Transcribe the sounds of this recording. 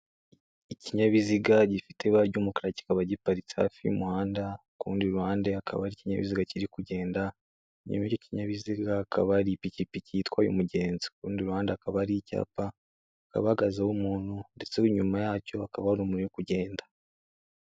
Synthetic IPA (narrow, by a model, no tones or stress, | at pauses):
iciɲaβiziɡaɟifi̥tʰe̞βaɾɟuːmukaɾaci̥kaβaɟipaɾit͡sha̰ːfiṵmuhaːnda | kṵːndiɾuhaːndeakʰa̰βaɾiciɲa̰βiziɡaciɾikuɟe̞ːnda | ɲṵmicociɲaβiziɡaːkʰa̰βaɾipicipicitkwajṵmuɟe̞ːnzikuːndiɾuhaːndakaβaɾica̰ːpa | ka̰βaaɡazaumuːn̥hunde̞t͡seuɲumajaːco̞akaβahɾumunuokuɟe̞ːndḁ